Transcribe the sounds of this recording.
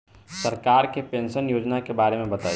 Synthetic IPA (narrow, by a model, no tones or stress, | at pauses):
sɐɾkaːɾkepẽːnʃənjoːd͡ʒnakebaːɾemẽbɐt̪aː